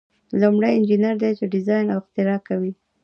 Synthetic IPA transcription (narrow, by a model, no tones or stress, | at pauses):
lumɽajɪnd͡ʒinaɾd̪ejt͡ʃeɖɪzɑjnawɪxt̪ɪɾɑkawi